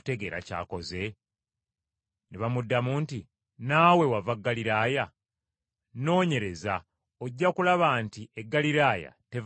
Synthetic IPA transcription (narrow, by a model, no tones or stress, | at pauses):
ute̞ɡe̞ːɾa̰ca̰ːko̞ze̞ | neβamudːamuːnti | naːwe̞wavaɡːaliɾaːja | no̞ːɲe̞ɾe̞za | oɟːakulaβaːntiʔeɡːaliɾaːja̰te̞v